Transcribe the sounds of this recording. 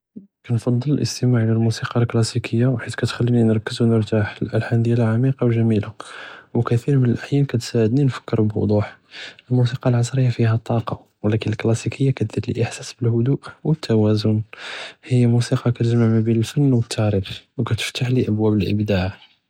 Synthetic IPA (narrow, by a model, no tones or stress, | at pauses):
kænfɑd̪ˤːələlʔə̰st̪əmaʕləlmusiqɑlklɑsikʰəjːawħit̪kæt̪xælːininəɾˤkːəzwnəɾt̪aħəlʔælħand̪jælaʕamiqɑwʒæmilawkæθiɾmənəlʔəħjænkæt̪saʕəd̪ninfə̥kːəɾbwʊ̰d̪ˤuħʔəlmus̬iqɑlʕɑs̬ˤɾəjːafiɦæt̪ˤːɑqɑ | wlækənəlklæsikʰəjːakæt̪d̪id̪lḭʔəħsæsbəlhʊd̪uʔwət̪ʰːæwæzʊnhəjːmusiqɑkæt̪əʒmaʕmæbinəlfənːwət̪ʰːɑɾifwkæt̪ə̥ft̪aħliʔəbwæbəlʔə̰bd̪aʕ